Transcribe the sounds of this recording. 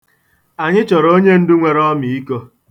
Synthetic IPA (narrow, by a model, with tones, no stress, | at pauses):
a˨ɲɪ˦t͡ʃɔ˨ɾo˦ɲe˦n̩˦dʊ˦ŋʷe˨ɾɔ˦mi˨i˦ko˦